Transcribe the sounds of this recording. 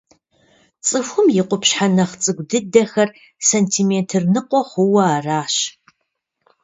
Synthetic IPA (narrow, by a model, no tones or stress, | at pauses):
t͡sʼɨfʷʊmjɪqʷʊpɕħanɐχt͡sʼɨɡʷdɨdɐxɐr | sentʰiːmeːntʰɨrnɨqʷʼɔχʷʊwɐaːraːɕ